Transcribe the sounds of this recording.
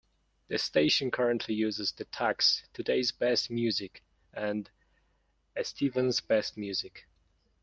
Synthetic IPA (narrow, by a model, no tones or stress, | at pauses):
ðɨsteɪʃɨ̃nkʰɜ˞ɨ̃nʔʰlijʉzɨzðɨtʰækstʰɨdeɪzbɛst̚mjʉzɪk | ɨ̃nd | ɨstʰivə̃nzbɛst̚mjʉzɪk